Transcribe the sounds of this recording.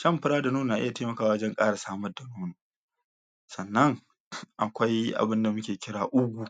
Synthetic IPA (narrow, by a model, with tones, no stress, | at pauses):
ʃɐ˦˨mɸɪ˦ɾaː˦da˨nuː˦nː˨na˨ʔɪ˦ja˨teː˦mɐ˨kaː˦wa˨˦ɐ˦d͡ʒɐ˦ŋkʼaː˦ɽa˨saː˦mɐ˦rda˨nuː˦noː˨ | sɐ˨nːɐ˦ŋ | ʔa˨kʷa˦jʔa̰˨bɪ˦nda˨mʊ˦kʲeː˨kʲɪ˦ɽaː˨ʔʊ˦ɡʷu˨